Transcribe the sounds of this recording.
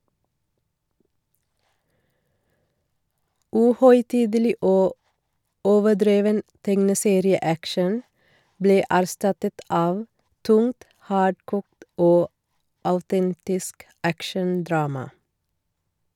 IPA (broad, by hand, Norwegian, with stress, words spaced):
ˈʉːhœʏˌtiːdəˌliː ˈoː ˈoːʋəˌɖɾeːʋən ˈtɛŋnəˌseːɾɪəˌækʃən ˈbleː æɾˈstɑtət ˈɑːʋ ˈtʊŋt ˈhɑːɖkuːkt ˈoː ɑʉˈtɛntɪsk ˈækʃənˌdɾɑːmɑ